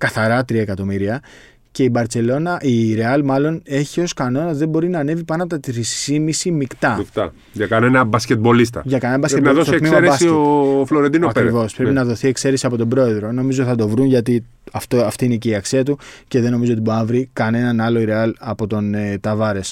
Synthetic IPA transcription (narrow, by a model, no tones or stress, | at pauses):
kɐθɐɾɐt̪ɾiɐekɐt̪o̞miɾiɐ | ce̞ibɐɾt̪se̞lo̞nɐʔiːɾe̞ɐlmɐlo̞ne̞çio̞skɐno̞nɐzðembo̞ɾinɐːne̞vipɐnɐpot̪ɐt̪ɾisimisimikt̪ɐft̪ɐ̰ | ʝɐkɐnenɐbɐscet̪̚bo̞list̪ɐ̰ʝɐkɐneɐbɐsɾenɐðosoek̪mimɐɾebssieofloɾend̪inoɐpɾivo̞spɾepinɐðo̞θie̞kse̞ɾesiɐpo̞t̪o̞bɾo̞e̞ðɾo̞no̞mizot̪iθɐd̪o̞vɾunʝɐt̪i | ɐft̪oɐft̪iineceiɐksiɐt̪uce̞ðeno̞mizoot̪iboɾinɐvɾikɐnenɐnɐlo̞iɾe̞ɐlɐpo̞t̪o̞net̪ɐvɐɾe̞s